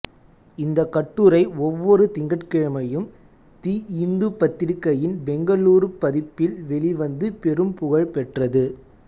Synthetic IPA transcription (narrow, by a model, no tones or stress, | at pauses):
ɪnd̪ɐkːɐʈːuɾɐɪɔʋːɔɾɯt̪ɪŋɡɐʈkɛɻɐmɐjɯm | t̪iːɪnd̪ɯpːɐt̪ːɪɾkːɐjɪnbɛŋɡɐɭuːɾɯpːɐðɪpːɪlʋɛɭɪʋɐnd̪ɯpɛɾɯmpʊɣɐɭpɛʈrɐðɯ